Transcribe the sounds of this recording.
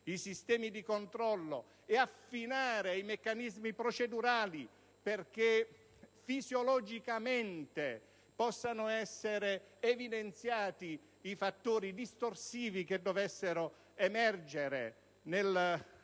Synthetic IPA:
isist̪ɛːmid̪ikont̪ɾɔlːo̰ | eafːinaːɾejmekːanizmipɾɔt͡ʃed̪uɾaːli | perk̟e | fizjolɔd͡ʒikament̪e | pɔsːanʊɛsːeɾeː | vid̪ent̪sjaːt̪iː | fat̪ːoːɾid̪ist̪orsiːviked̪ːovesːeɾo | emɛrd͡ʒeɾḛ | nel

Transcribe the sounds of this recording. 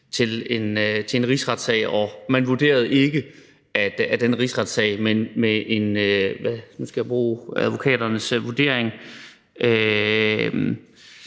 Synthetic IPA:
t͡sʰe̝le̝nt͡sʰe̝le̝nʁisʁɑ̈d̥sɛ̰ɪ̰ɒ̽mænʋud̥e̝̰ːɐð̞ˠe̝ɡ̥ə | æd̥æd̥enəʁisʁɑ̈d̥sɛ̰ɪmenmeʔe̝nøʋænunsɡ̥æb̥ʁuːæðˠʋo̝kʰɛ̰ːd̥ɐnəsʋud̥e̝̰ɐ̰eŋ | ʔø | m

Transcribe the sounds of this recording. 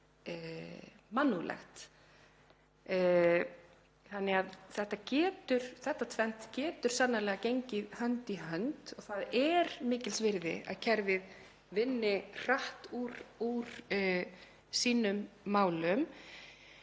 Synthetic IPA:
manːulɛ̰xt̪ | θanːɛɣaðθɛht̪ːacɛːt̪ʏɾ̥θɛht̪ːat̪ʰvɛn̥t̪cɛːt̪ʏɾ̥sanːalɛɣacejɲcɪðhœnt̪iɦœnt̪ɔɣθaðɛɾmɪːcɪlsvɪɾðɪ̰a̰ðcʰɛɾvɪð | vɪnːɪr̥aht̪uɾuɾ̥ | siːnʏmːaːwlʏm

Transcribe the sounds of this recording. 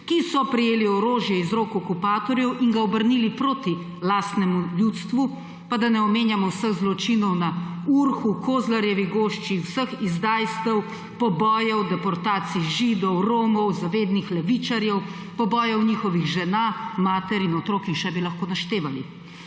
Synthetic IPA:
kisɔpɾijeːliɔɾoːʒjɛizɾokɔkupaːt̪ɔɾjɛwʔiŋɡaɔbəɾnilipɾoːt̪i | laːst̪nɛmuljut̪st̪ʋu | pad̪anɛɔmeːnjamɔwsəɣzlɔt͡ʃinɔwnauɾxukʰoːzlaɾjɛʋiɡoːʃt͡ʃiwsəxizd̪ajst̪ɛw | pɔbɔːjɛwd̪ɛpɔɾt̪aːt̪siʒiːd̪ɔwɾoːmɔwzaʋeːd̪nixlɛʋit͡ʃaɾjɛw | pɔbɔːjɛwniːxɔʋiɣʒɛnaːmaːt̪ɛɾinɔt̪ɾoːkixʃɛbilaxkoːnaʃt̪eːʋalḭ

